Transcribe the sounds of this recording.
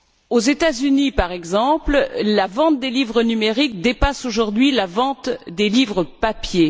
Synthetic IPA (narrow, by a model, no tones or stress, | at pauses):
ozet̪azynipaʁɛɡzɑ̃pllavɑ̃t̪̚d̪elivʁənymeʁik̚d̪epasoʒuʁd̪ɥilavɑ̃t̪d̪elivʁəpapje